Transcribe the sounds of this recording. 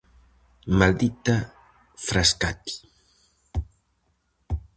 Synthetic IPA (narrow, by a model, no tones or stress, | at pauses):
mald̪it̪a | fɾaskat̪i̥